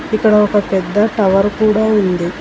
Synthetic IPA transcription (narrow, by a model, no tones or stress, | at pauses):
ikːɐɽɐɔkɐpɛd̪ːɐʈɐʋɐɾkuːɽaːund̪i